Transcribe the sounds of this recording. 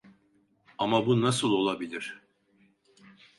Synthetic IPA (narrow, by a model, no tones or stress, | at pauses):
amabunasɯlˠo̞lˠabilʲiɾ̥